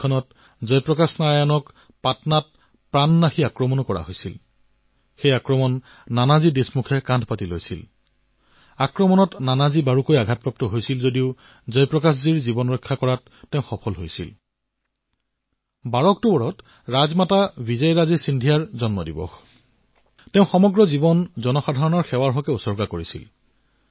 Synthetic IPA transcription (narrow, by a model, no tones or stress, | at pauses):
ɔnɔt | zɔjpɹɔkasnaɹajɔnɔk | patnat̚ | pɹanːaxiakɹɔmɔnɔkɔɹa̰ɦojsḭl | xejakɹɔmɔnː | anazidesmukʰɛkãndʱpatilo̰jsil | akɹɔmɔnɔtnanazibaɹukojaɡʱat̚pɹap̚tɔɦojsilzodiʊ | zɔjpɹɔkasziɹzibɔnɹɔjkʰːakɔɹatːeʊ̃xɔpʰɔlɦojsḭl | baɹɔk̚tubɔɹɔt | ɹazmatabizajɹazɛsindʱijaɹzɔnmɔdḭbɔ̰x | teʊ̃xɔmɔɡɹɔzibɔnzɔnɔxadʱaɹɔnɔɹxɛwaɹɦɔkɛusɔɹɡakoɹisḭl